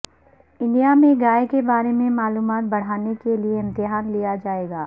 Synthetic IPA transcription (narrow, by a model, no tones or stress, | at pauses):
ɪ̃nɖijamẽɡaːekebaːɾemẽmaːluːmaːt̪̚bɐɽ̤aːnekelieɪ̃mt̪ɪɦaːnlijad͡ʒaːeːɡaː